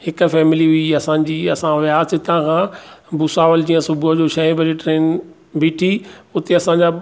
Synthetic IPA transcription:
hɪkʊ̆fɛːmɪliɦʊiɐsãːɲ̆d͡ʑiːɐsãʋjaːɪt̪ãkʰãːbʊsaːʋəld͡ʑĩːə̃sʊbʊd͡ʑoːʃɐĩbʱɐɾeʈɾeːn | biːʈʰiʊt̪eɐsãɲd͡ʑa

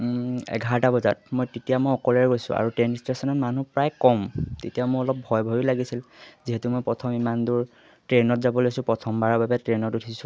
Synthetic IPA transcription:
ɛ̰ɡʱaɹɔtabɔza̰t̚mojtetijamojɔkɔlɛɹɛɡojsʊ̰̃a̰ɹutenistesɔnɔtmanupɹajkɔmtetijamʊɹɔlɔp̚bʱɔjbʱojʊlaɡisilziɦɛtumojpɹɔtʰɔmimanduɹ | tɹenɔtzabɔlojsʊ̃pɹɔtʰɔmbaɹababɛtɹenɔtutʰisʊ̃

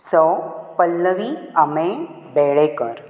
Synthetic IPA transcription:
səpəlːəʋiamẽ | beɭekəɾ

